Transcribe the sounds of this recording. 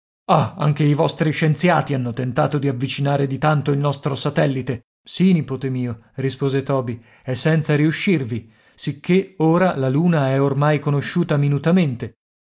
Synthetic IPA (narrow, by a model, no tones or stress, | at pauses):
aa̰ŋk̟eivɔst̪ɾiʃent̪sjaːt̪ianːot̪ent̪aːt̪od̪iavːit͡ʃinaːɾed̪it̪ant̪oilnɔst̪ɾosat̪ɛlːit̪e | sinipoːt̪emiːo | rispoːzet̪ɔːbi | ɛsːɛnt̪saɾiuʃːirvi | sikʰːeoːɾalaluːnaɛormajkonoʃːuːt̪aminut̪ament̪e